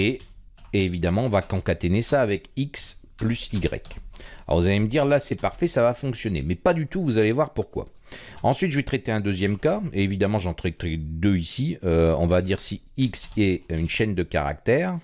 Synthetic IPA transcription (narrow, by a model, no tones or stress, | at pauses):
eː | vid̪amɑ̃ɔ̃vakɑ̃kat̪enesaːvɛkiksplysiɡʁɛ̰kɔ̰ʁvuzaleməd̪iʁlasɛpaʁfɛsavafɔ̃ksjɔnḛmɛpad̪yt̪uvuzalevwaʁpuʁkwa̰ | ɑ̃sɥit̪ʒəvɛt̪χɛt̪eɛ̃d̪øzjɛmkaeevid̪amɑ̃ʒɑ̃t̪χɛt̪χɛd̪øisiøɔ̰̃vad̪iʁsi | iksɛynʃɛnd̪əka̰ʁa̰k̚t̪ɛːʁ